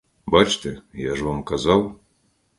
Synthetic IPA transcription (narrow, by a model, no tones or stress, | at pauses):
bat͡ʃt̪ɛjaʐvamkazaw